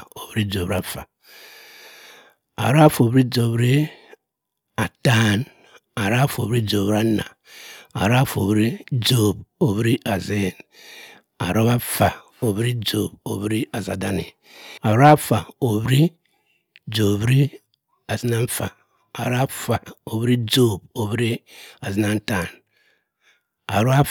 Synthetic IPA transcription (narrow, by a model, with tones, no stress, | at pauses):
o˨βɾi˦d͡ʒo˨ba˦fa˨ | a̰˨ɾo˦a˦fo˨bɾi˦d͡ʒo˨bɾi˦ | a˨ta˦n | a˨ɾa˦fo˨βɾi˦d͡ʒo˨βɾa˦na̰˨ | a̰˨ɾa˦fo˨βɾi˦d͡ʒo˦˨bo˨βɾi˦ʔa˨ze˦˨n | a̰˨ɾo˦βa˦fa˨ | o˨βɾi˦d͡ʒo˨bo˨βɾi˦a˨za˨da˦nḭ˨ | a˨ɾo˦a˦fa˨o˨βɾi˦ | d͡ʒo˨βɾi˦ | a˨zi˦na˦n̩˦fa̰ː˨ | ɾo˦a˦fa˨o˨βɾi˦d͡ʒo˦bo˨βɾi˦a˨zi˦na˦n˦ta˨n | a˨ɾo˦a˦